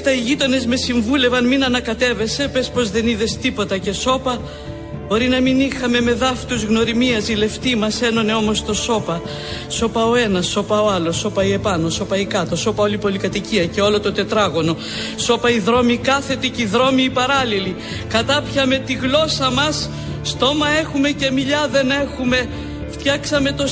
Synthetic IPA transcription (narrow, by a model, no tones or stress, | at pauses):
t̪ɐiʝit̪o̞ne̞zme̞siɱvule̞vɐnminɐnɐkɐt̪e̞ve̞se̞pe̞spo̞zðe̞niðe̞st̪ipo̞t̪ɐce̞so̞pɐ | bo̞ɾinɐminixɐme̞me̞ðɐft̪uzɣno̞ɾimiɐzile̞ft̪imɐse̞no̞neo̞mo̞st̪o̞so̞pɐ | so̞pɐo̞e̞nɐsːo̞pɐo̞ɐlo̞so̞pɐie̞pɐnoso̞pɐikɐt̪o̞so̞pɐo̞lipo̞likɐt̪iciɐce̞o̞lo̞t̪o̞t̪e̞t̪ɾɐɣo̞no̞ | so̞pɐiðɾo̞mikɐθe̞t̪iciðɾo̞miːpɐɾɐlili | kɐt̪ɐpçɐme̞t̪iɣlo̞sɐmɐsː | t̪o̞mɐe̞xume̞ce̞miʎɐðe̞ne̞xume̞ | ft̪çɐksɐme̞t̪o̞